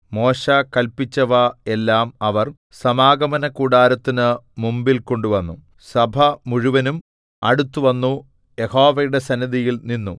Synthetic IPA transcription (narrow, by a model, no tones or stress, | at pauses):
mo̞ːɕɐkɐlpit͡ɕːɐʋɐe̞lːaːmɐʋɐr | sɐmaːɡɐmɐnɐkuːɽaːɾɐt̪ːinɨmumbilko̞ɳɖuʋɐnːu | sɐbʱɐmuɻuʋɐnum | ɐ̰ɽut̪ːuʋɐnːu | je̞ho̞ːʋɐjuɽe̞sɐniðijilninːṵ